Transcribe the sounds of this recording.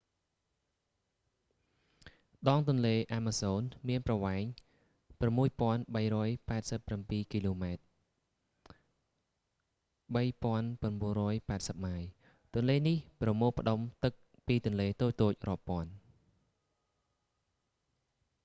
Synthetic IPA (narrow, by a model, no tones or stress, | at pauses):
ɗɑːŋt̪ʊ̆ənleːʔaːmaːsoːnmiənprɑʋaɛŋ | pramːuəjpŏənɓəjrɔːjpaɛt̪̚səpːrampiːkiːloːmaɛt̪̚ | ɓəjpŏənpŏənɓuənrɔːjpaɛt̪̚səp̚maj | t̪ʊ̆ənleːnihprɑmoːpʰə̆ɗomt̪ɨk̚ | piːt̪ʊ̆ənleːt̪oːc̚t̪oːc̚rŏəpːŏən